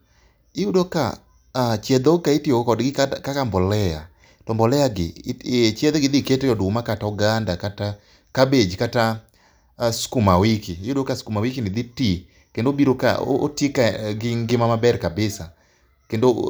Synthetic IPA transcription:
ɪudoka̰ | t͡ʃjɛd̪okaetiokɔdɡɪkkakambɔlɛja̰ | tɔmbɔlɛjaɡɪt͡ʃɛd̪ɛɡɪd̪iketɛjɔdʊmakatauɡandakata | kabed͡ʒkata | skumawikiɪjudokaskumawikinɪd̪iti | kendobiɾoka̰o̰o̰tikaɡɪŋɡɪmamabɛɾkabɪsa | kendo

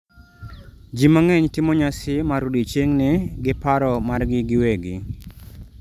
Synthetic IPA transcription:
d͡ʒimaŋɛɲtɪmɔɲasɪmaɾudit͡ʃeŋnɪɡɪpaɾɔmarɡɪɡɪweɡɪ̰

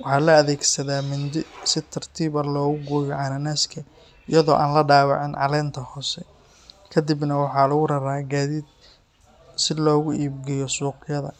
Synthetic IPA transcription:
wɑħɑːlɐɐðɛːɡsɐðaːmʊnd̪ɪsɪt̪ʰɐrt̪ʰiːβɐlɔːɣʊɡɔːjɔʕɑnɐnaːskʰɐ | ɪjɐðɔ̰ːʔaːnlɐɖaːwɑʕɪnʕɑlɛːnt̪ʰɐhɔːsɛ | kʰɐd̪ɪbnɐwɑħɑlɐɣʊɾɐɾaːɡaːðiːd̪̚ | sɪlɔːɣʊʔiːbɡɛjɔsuːqjɐðɐ̰

